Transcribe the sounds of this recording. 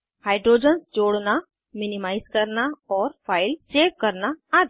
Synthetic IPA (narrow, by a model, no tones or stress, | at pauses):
haːɪɖɾoːd͡ʒənsd͡ʒoːɽna | mɪnimaːɪzkɐɾnaɔːɾpʰaːɪlseːʋ̚kɐɾnaad̪